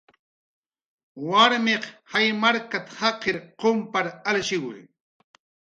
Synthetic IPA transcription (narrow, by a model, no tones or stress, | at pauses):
waɾmeqhajmaɾkat̪ḁhɑqʰeɾqompaɾalʃɪwʊ̰j